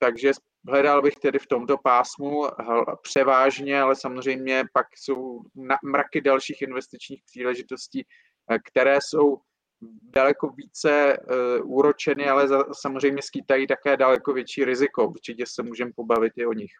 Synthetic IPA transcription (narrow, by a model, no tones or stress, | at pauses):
t̪aɡʒɛ | ɦlɛdalbɪxt̪ɛdɪft̪o̞mt̪o̞paːsmuɦpr̝̥ɛvaːʒɲɛalɛsamozr̝ɛjmɲɛpakso̞wnamɾakɪdalʃiːxɪnvɛst̪ɪt͡ʃɲiːxpr̥iːlɛʒɪt̪o̞sciː | kt̪ɛɾɛːso̞w | dalɛko̞viːt͡sɛ | uɾot͡ʃɛnɪalɛzasamozrɛjmɲɛskiːt̪ajiːt̪akɛːdalɛko̞vjɛt͡ʃiːɾɪzɪko̞uɾt͡ʃɪcɛsɛmuːʒɛmpo̞bavɪt̪ɪo̞ɲɪx